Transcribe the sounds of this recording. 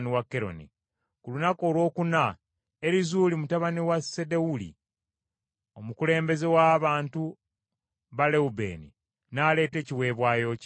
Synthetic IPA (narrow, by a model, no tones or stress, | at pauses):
niwakːe̞ɾo̞̰nḭ | kulunako̞ːlwo̞ːkuna | eɾizuːlimutaβaniwase̞de̞ulḭ | omukule̞ːmbe̞ze̞waːβaːntu | βale̞ube̞̰ːnḭ | naːle̞ːte̞ːciwe̞ːβwaːjo̞c